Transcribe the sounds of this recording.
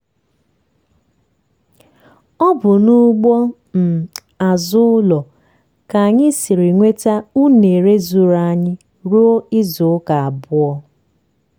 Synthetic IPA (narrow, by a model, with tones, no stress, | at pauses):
ɔ˦bʊ˨nu˦ɡ͡bɔ˦ | m̩˨ | a˨zʊ˦ʊ˦lɔ˨ | ka˨a˨ɲɪ˦si˨ɾɪ˨ŋʷe˦ta˦u˦ne˨ɾe˦zu˦ɾa˨a˦ɲɪ˦ | ɾu˦o˦ɪ˦zʊ˨˦ka˨a˨bʊ˦ɔ˦